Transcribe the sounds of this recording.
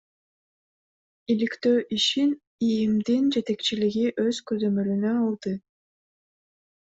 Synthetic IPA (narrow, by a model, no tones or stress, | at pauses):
ilikt̪øːʔiʃin | ijimd̪ind͡ʒe̞t̪e̞kt͡ʃiliɡiʔø̞z̥køzømø̞lynøɑlˠd̪ɯ